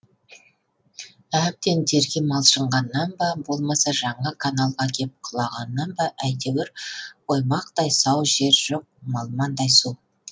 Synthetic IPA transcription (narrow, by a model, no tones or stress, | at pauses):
æp̚t̪e̞nt̪ʰe̞ɾɡʲemɑlˠʃəɴʁɑnːɑnbɑbo̞lˠmɑsɑʒɑɴəkʰanalˠʁɑkʲʰe̞p̚qʰəlˠɑʁɑnːɑnbɑʔæjd̪ewɪɾwo̞jmɑqt̪ɑjsɑwʒe̞ɾʒoq̚mɑlˠmɑnd̪ɑjsu